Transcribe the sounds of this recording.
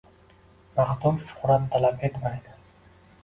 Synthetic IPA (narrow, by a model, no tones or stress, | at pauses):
maqd̪ʊɾʃʊ̥χɾat̪ʰːalape̞t̪majd̪ɪ